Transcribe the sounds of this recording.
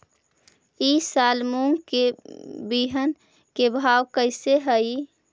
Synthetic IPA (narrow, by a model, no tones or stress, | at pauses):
isalmuŋɡkebiɦən | kebʱawkəɪseɦəi